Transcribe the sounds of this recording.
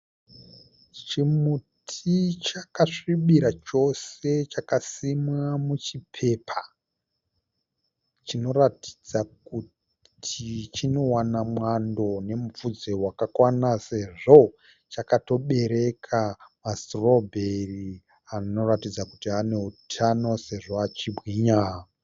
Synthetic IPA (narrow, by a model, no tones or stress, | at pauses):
t͡ʃimutʰit͡ʃakaʂiɓiɾat͡ʃo̞se̞t͡ʃakasimwamut͡ʃipʰe̞ːpʰa | t͡ʃino̞rati̥d͡zaku | tʰit͡ʃino̞wanamwando̞ne̞mufud͡zewakakwanase̞ʐo̞ | t͡ʃakato̞ɓe̞ɾe̞kʰamastrobʱeri | ano̞ratid͡zakutiɦane̞utʰano̞se̞ʐo̞at͡ʃibʱɣiːɲaːɦ